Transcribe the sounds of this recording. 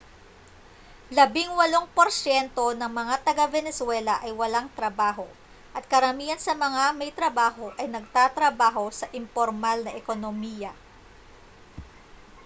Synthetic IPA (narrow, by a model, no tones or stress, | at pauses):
lɐbɪŋwɐlo̞ŋpoɾsjɛnt̪o̞nɐŋmɐŋat̪ɐɡavɛnɛswɛlɐʔɐjwɐlaŋt̪ɾɐbaːɦo̞ | ʔɐt̪̚kɐɾɐmiːjɐnsɐmɐŋamɐjt̪ɾɐbaːɦo̞ʔɐjnɐɡ̚t̪at̪ɾɐbaːɦo̞sɐʔɪmpoɾmalnɐʔɛko̞nomiːjɐ